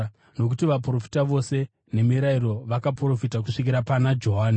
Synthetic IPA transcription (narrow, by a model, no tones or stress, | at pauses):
no̞k̬utiʋapro̞fi̥taʋo̞se̞ | ne̞miɾaiɾo̞ʋakapro̞fitak̬uʂikiɾapanad͡ʒo̞ɦaːni